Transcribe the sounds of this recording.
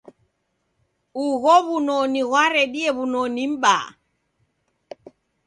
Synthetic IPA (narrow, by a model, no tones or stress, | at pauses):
uɣɔβunɔniɣwaɾɛɗiɛβunɔnim̩ɓa̰